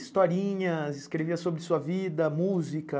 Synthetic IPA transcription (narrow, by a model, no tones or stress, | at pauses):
st̪ɔɾĩɲɐzɪskɾeviɐsobɾɪsuɐvid̪ɐmuzikɐ